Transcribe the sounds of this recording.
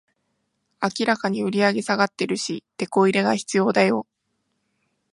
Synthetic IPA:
akʲiɾakaɲ̟iɯ̟ɾʲiaɡe̞saɡat̪ːe̞ɾɯ̟ɕit̪e̞ko̞iɾe̞ɡaçi̥t͡sɨjo̞ːd̪ajo̞

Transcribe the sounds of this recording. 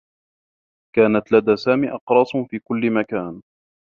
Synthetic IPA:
kaːnat̪lad̪aːsaːmiːʔɑqɾˤɑːsˤfiːkʊlːɪmakaːn

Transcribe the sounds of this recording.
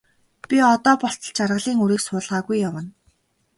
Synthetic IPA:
pʲiɔt̪ɔːpɔɬt͡sɞ̆ɮt͡ɕarʁə̆ɮiːŋuɾiːksʊːɮʁaːɣujːawə̆n

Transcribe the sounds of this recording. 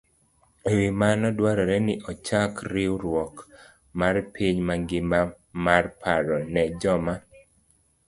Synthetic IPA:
wimanɔdwaɾɔɾɛnɪʔɔt͡ʃakɾiuɾwɔk | marpʰiɲmaŋɡɪma | marpʰaɾɔnɛd͡ʒɔma

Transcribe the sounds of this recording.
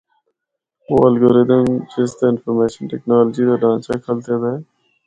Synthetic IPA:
ʋoːɐlɡoːɾeːd̪ənd͡ʒeːst̪aɪnfɔɾmeːʃənʈɛknaːləd͡ʒid̪aɖãːt͡ʃakʰəlt̪ed̪ae

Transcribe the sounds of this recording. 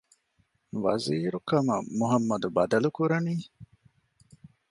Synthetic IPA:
ʋɐ̰ziːɾukɐmɐ̰muɦɐmːɐd̪ubɐd̪ɐlukuɾɐniː

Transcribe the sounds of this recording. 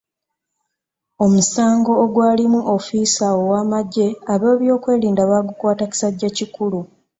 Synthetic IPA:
o̞musaːŋɡo̞ːɡwaːlimuʔofiːsaowaːmaɟːe̞aβo̞ːβjo̞ːkwe̞ːliːndaβaːɡukwaːtaku̥saɟːacikulu

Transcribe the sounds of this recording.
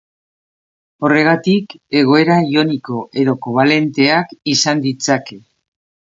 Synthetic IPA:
o̞re̞ɣ̞at̪ike̞ɣ̞o̞e̞ɾaio̞niko̞ʔe̞ðo̞koβ̞ale̞nt̪e̞akisand̪it͡sake̞

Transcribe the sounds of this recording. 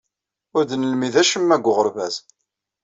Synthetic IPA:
ʊɾd̪ənəlmiðæʃəmːæɡʷːʊʁəɾvæz

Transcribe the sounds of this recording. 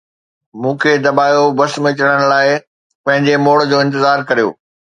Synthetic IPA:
mũːkʰed̪ɐbaːjobɐsmɪt͡ɕəɽ̃əɽ̃̆laːɪ | pɐ̃ɦɪ̃ɲd͡ʑemoːɽd͡ʑoːɪ̃nt̪ɪzaːɾkɐɾijo̰ː

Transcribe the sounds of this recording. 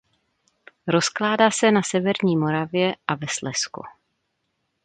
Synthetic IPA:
ɾo̞sklaːdaːsɛnasɛvɛɾɲiːmo̞ɾavjɛʔavɛslɛskṵ

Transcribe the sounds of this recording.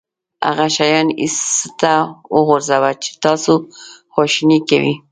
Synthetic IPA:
a̰ɣaʃajɑnḭst̪awʊɣʊɾzawat͡ʃɪ̥t̪ɑsoxoʃnikawi

